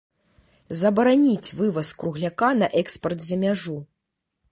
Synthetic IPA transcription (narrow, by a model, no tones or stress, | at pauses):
zɐbɐɾanʲit͡sʲvɨvɐskɾuɣlʲakanɐʔɛkspɐrt̪zʲɐmʲaʐu